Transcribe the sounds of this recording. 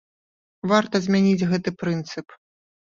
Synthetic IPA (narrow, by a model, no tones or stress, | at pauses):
vart̪ɐzʲmʲanʲid͡zʲɣɛt̪ɨpɾɨnt̪sɨp